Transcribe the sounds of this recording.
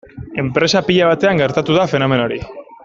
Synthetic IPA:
e̞mpɾe̞sapiʎaβ̞at̪e̞aŋɡe̞ɾt̪at̪uðafe̞no̞me̞no̞ɾḭ

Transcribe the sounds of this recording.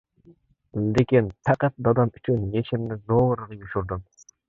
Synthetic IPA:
d̪ekʲenpʰæqæt̪̚d̪ɑd̪ɑmyt͡ʃʰynjet͡ʃʰɪmnɪzoɾʁɑjuʃuɾd̪ʊm

